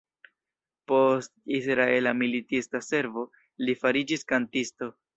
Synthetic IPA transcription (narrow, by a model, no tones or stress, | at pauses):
po̞stisɾae̞lamilitistase̞ɾvo̞ | lifaɾid͡ʒiskantisto̞